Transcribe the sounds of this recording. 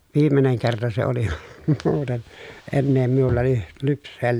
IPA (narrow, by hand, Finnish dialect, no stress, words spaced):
ʋiːmeneŋ kertɑ se oli muːten enːeː miulːɑ ly lypsˑeː